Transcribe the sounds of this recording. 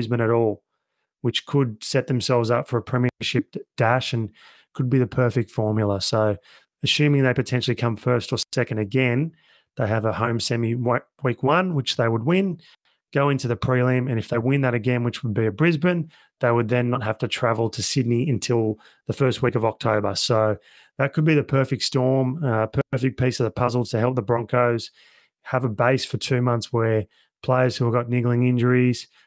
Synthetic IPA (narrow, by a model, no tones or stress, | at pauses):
zbɨ̃ñɨɾɔlˠ | wɨt͡ʃkʰəd̚sɛt̪̚ðɨ̃m̩sɛlˠvzaʊtfə˞əpʰɹ̥ɛ̃miʃɪp̚d̥æʃɨ̃n | kʰɨd̚biðɨpʰɜ˞fɪk̚tfɔɹmjl̩ˠəsoʊ | ɨsʉ̃mɪ̃ŋðeɪpɨtʰɛ̃nʃl̩ˠikʰʌ̃ɱfɜ˞stə˞sɛkɨ̃n̩dɨɡɛ̃n | ðeɪɨvəhõʊ̃msɛmi | wikwʌ̃nwɨt͡ʃðeɪwəd̚wɪ̃n | ɡ̥oʊɪ̃ntʉðɨpʰɹ̥ilˠĩmɨ̃nɨfðeɪwɪ̃nðɨɾɨɡɛ̃nwɨt͡ʃwəd̚biɨbɹɪzbɨ̃n | ðeɪwəd̪̚ðɨ̃nːət̚ɦæftɨtʰɹ̥ævl̩ˠtʰɨsɪdⁿniɨ̃ntʰɪlˠ | ðɨfɜ˞st̚wikʌvɑk̚tʰoʊbə˞soʊ | ðɨt̚kʰɨd̚biðɨpʰɜ˞fɪk̚tstɔɹmpʰɜ˞fɪk̚pʰisʌvðəpʰʌzl̩ˠtʰɨɦɛlˠp̚ðəbɹɑ̃ŋkʰoʊz̥ | əvəbeɪsfə˞tʰʉmʌ̃nθswə˞ | pʰl̥eɪə˞z̥hʉəɡɑtⁿnɪɡl̩ˠɪ̃ŋɪ̃nd͡ʒə˞iz̥